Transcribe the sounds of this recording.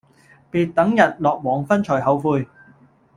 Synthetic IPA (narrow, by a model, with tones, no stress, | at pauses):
piː˧t̚t̪ɐ˨˥ŋjɐ˨t̚lɔː˨k̚wɔː˨˩ŋfɐ˥nt͡ʃʰɔː˨˩jhɐ˨˧wfuː˧j